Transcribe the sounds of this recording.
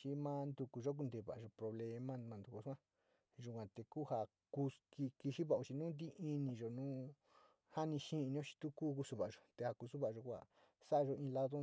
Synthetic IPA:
t͡ʃi˧mã˧nd̪u˧ku˨ʒo˦k̬u˧nd̪e˧˨βa̰˨ʒo˧pɾo˧βle˧mã˦˧mã˧d̪u˧ku˧sʷã˦ | ʒu˧˨kʷã˨t̪e˧kuː˦˨ha˧ | ku˧ki˧ki˧ʃi˦βa˧˨u˧t͡ʃi˧nũ˦nd̪i˦ʔi˧nĩ˧ʒo˨nũː˦ | ha˦nĩ˧ʃĩ˦˧ɲõ˦ʃi̥˧t̪u˦ku˦ku˧su˧βa˨ʒo˨t̪e˧ha˧ku˧su˦βa˧ʔʒo˧kʷa̰˨ | sa˦ʔa˧ʒo˧ĩ˧la˦ðo˦

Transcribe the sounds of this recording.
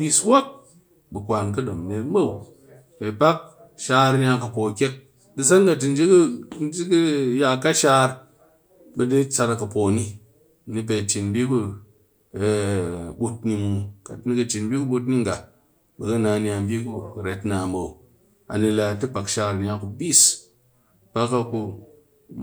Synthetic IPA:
bʲi˧swo˦k̚ | bɨ˨kʷa˨nkɐ˦do˨m˨ne˨m̩˦bo˦w | be˨pa˦k̚ | ʃaː˧ɾni˦a˧kɨ˨po˨kʲe˦k̚ | dɨ˧sa˦nka˨ti˨n˦d͡ʒi˦kn˦d͡ʒi˦kɨ˦ja˧ka˦ʃa˦ɾ | bɨ˧di˦t͡ʃa˧ɾa˨kɨ˨po˨ni˧˨ | ni˧p̬e˨t͡ʃi˨nbʲi˦ku˦˨ | ɓu˧t̚ni˧mu˨ka˨˦ni˦kɨ˧t͡ʃi˨n˦bʲi˦ku˦ɓu˧t̬ni˦ŋɡa˨ | bɨ˨kɨ˦na˨ni˨a˧m˦bʲi˦ku˧˨ɾe˨˦tna˨mbo˨ | a̰˨ni˧la˨tɨ˦pa˨kʃa˧ɾni˦a˧ku˨bi˦s | pa˦kːa˧ku˧

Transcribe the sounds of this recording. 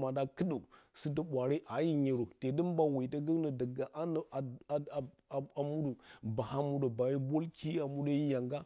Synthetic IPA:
ma˨da˦kə˦ɗu˨si˦t̬ə˦ɓʷa˨ɾe˦ʔa˨˦ji˦ɲi˨ɾo˨te˨də˦m˦ba˨wi˨ta˦ɡə˦nə˨da˨ɡa˨ʔa˦n˨a˨ | a˨mu˦du˨ba˨ha˦mu˦do˨ba˨ji˦bo˦lki˦a˨mu˦da˦i˦ja˨ŋɡa˦

